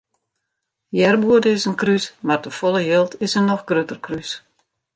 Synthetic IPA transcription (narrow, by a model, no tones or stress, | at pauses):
jɛrbuədəɪsənkrysmardəfolˠəjelˠtʰɪsənːɔxɡrøtərkrys